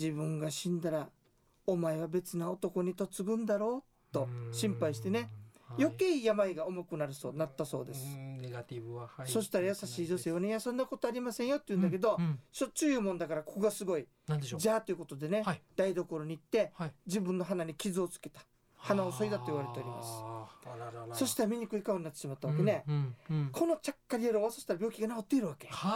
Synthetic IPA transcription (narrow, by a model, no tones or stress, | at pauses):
d͡ʑibɯ̟̃ŋɡaɕĩnd̪aɾa | omaeβ̞abe̞t͡sɨnao̞t̪o̞ko̞ɲ̟it̪o̞t͡sɨɡɯ̟̃nd̪aɾo̞ː | t̪o̞ɕĩmpaiɕi̥t̪e̞ne̞jo̞keiːjamaiɡao̞mokɯ̟naɾɯ̟soːnat̪ːaso̞̰ːd̪e̞sɨ̥ | so̞ɕi̥t̪aɾajasaɕiːd͡ʑoseβanejasõ̞nːako̞t̪oaɾʲimasẽ̞ɰ̃jo̞t̪ːoiɯ̟̃nd̪ake̞d̪o̞ɕot͡ɕɨjɯmond̪akaɾakʰoɡasɨɡo̞i | d͡ʑaːt̪o̞jɯ̟ko̞t̪o̞d̪e̞ne̞d̪aid̪o̞ko̞ɾo̞ɲ̟iːt̪ːe̞d͡ʑibɯ̟̃nːo̞ɦanaɲ̟ikʲizɨot͡sɨ̥ke̞t̪ḁ | hanaoso̞id̪at̪o̞iβaɾe̞t̪e̞o̞ɾʲima̰sɨ̥ | so̞ɕi̥t̪aɾamʲiɲ̟ikɯ̟ikaoɲ̟inat̪ːeɕimat̪ːaβakene̞ | kʰo̞no̞t͡ɕakːaɾʲieɾoβaso̞ɕi̥t̪aɾabʲo̞ːkʲiɡanakot̪ːe̞iɾɯ̟βake̞